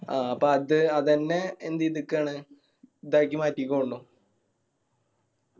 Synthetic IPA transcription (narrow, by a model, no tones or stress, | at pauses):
aɐpːɐɐðɨɐðɐnːeend̪iðɨkːaːɳɨ | d̪ɐɻkʲːimaːtːikːɐuɭːoː